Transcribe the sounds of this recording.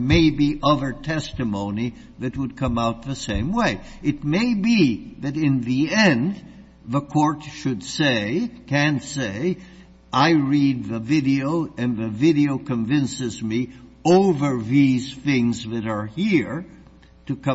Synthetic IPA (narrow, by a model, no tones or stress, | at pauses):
meɪbiʔʌðə˞tʰɛstɨmõʊ̃ni | ðɨt̚wəd̚kʰʌ̃maʊt̪̚ðəsẽɪ̃mweɪ | ɨt̚meɪbiðɨɾɪ̃nðiɛ̃nd | ðəkʰɔɹtʃɨdseɪkʰæ̃nseɪ | ʔaɪɹid̪̚ðɨvɪɾioʊɨ̃nðɨvɪɾioʊkʰɨ̃ɱvɪ̃nsɨzmioʊvə˞ðiz̥θɪ̃ŋzðɨɾə˞hiɹ | ɾɨkʰʌ̃